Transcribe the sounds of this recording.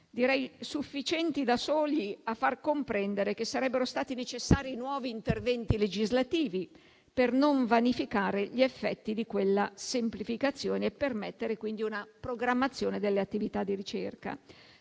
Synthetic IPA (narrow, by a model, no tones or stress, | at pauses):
d̪iɾɛjsufːit͡ʃɛnt̪id̪asoːliafːarkompɾɛnd̪eɾek̟esːaɾɛbːeɾost̪aːt̪inet͡ʃesːaːɾinwɔːviːnt̪ervɛnt̪iled͡ʒizlat̪iːvi | pernoɱvanifikaːɾeʎiefːɛt̪ːid̪ikwelːasemplifikat̪sːjoːneːpːermɛt̪ːeɾekwind̪iunapɾoɡɾamːat̪sːjoːned̪elːeat̪ːivit̪ad̪ːiɾit͡ʃerka̰